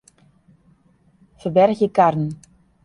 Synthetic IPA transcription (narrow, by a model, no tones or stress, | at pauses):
fərbɛrxjəkarnn̩